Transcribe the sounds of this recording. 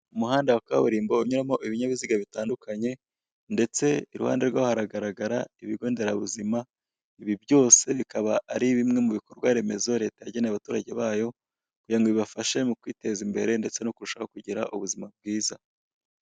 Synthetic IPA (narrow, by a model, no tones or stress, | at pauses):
umuɦaːndawakaβuɾiːmbo̞uɲuɾamo̞ʔiβiɲaβiziɡaβitaːndukʰaɲe̞ | nde̞t͡se̞iɾṵha̰ːnde̞ɾɡwahaɾaɡaɾaɡaɾaiβiɡo̞ːnde̞ɾaβuzima | iβibjo̞ːse̞βikaβaʔːɾiβimŋe̞muβiko̞ɾɡwaɾe̞me̞zo̞ɾe̞tajaɟeneaβatuːɾaɟe̞βaːjo̞ | kuɟaŋɡoβiβafaʃe̞mukwiːte̞zimbe̞ɾe̞nde̞t͡se̞nokuɾuʃaho̞kuɟiɾa̰ʔuβuzimab̚ɡiːza